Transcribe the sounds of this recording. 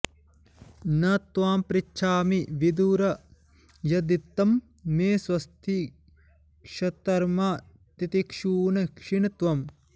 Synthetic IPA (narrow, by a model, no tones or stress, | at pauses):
nɐt̪ʋaːmpɾit͡ʃːʃʰaːmiʋid̪uːɾɐ | jɐd̪it̪ːɐmː | eːswɐst̪ʰi | kʃɐt̪ɐɾmaː | t̪it̪ikʂuːnɐkʂiɳɐt̪ʋɐm